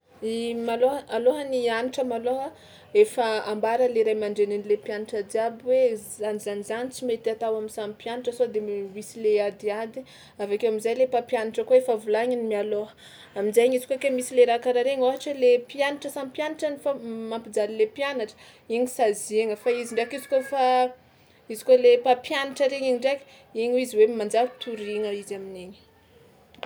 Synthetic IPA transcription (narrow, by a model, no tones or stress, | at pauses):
imaloɦəaloɦənianiʈ͡ʂəmaloɦə | efəambaɾəleɾajmaɳɖ͡ʐeninilepianaʈ͡ʂad̪iabiwe | anizanizanit͡simet̪iat̪awaminsampjanaʈ͡ʂəsod̪emisilead̪iad̪i̥ | avakewamizajlepapjanaʈ͡ʂəkoefavulaɲinimialoɦə̥ | aminzajɲizi̥kokemisileɾakaɾaɾeɲoɦaʈ͡ʂəlepianaʈ͡ʂəsampjanaʈ͡ʂənifamampid͡zalilepjanaʈ͡ʂə̥ | iɲisazeŋəfaiziɳɖ͡ʐakizi̥kofa | izi̥kolepapjanaʈ͡ʂəɾeɲiɲiɳɖ͡ʐaki̥ | iɲuiziwemand͡ʒakt̪ʰuɾiŋəizamineɲi̥